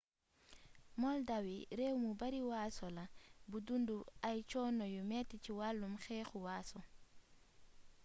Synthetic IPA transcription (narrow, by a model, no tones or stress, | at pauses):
mɔldawiɾɛwmubaɾiwaːsɔlabudunduajt͡ʃɔːnɔjumɛtit͡ʃiwalːumxɛːxuwaːsɔ